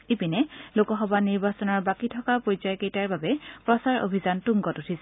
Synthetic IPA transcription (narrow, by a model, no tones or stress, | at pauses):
epinɛlokɔxɔbaniɹbasɔnɔɹbakitʰɔkapojzajkejtaɹbabɛpɹɔsaɹo̰bʱizantuŋɡɔtutʰisɛ